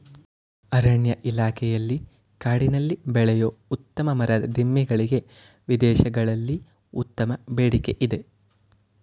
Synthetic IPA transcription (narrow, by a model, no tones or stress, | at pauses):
ɐɾɐɳjɐʔilaːkʰɛjɐlːi | kaːɽinɐlːibɛɭɛjoːut̪ːɐmɐmɐɾɐd̪ɐd̪ʱimːiɡɐɭiɡe̞ | ʋid̪ɛːʃɐɡɐɭɐlːi | ut̪ːɐmɐbeːɽike̞ʔid̪e̞